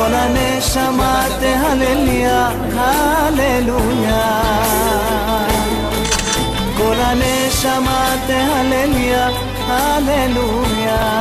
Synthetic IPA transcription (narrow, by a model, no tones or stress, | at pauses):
oɾane | ʃama | t̪eɦaleluja | ɦaleluja | ɡoɾane | ʃama | t̪eɦaleluja | halelu | ja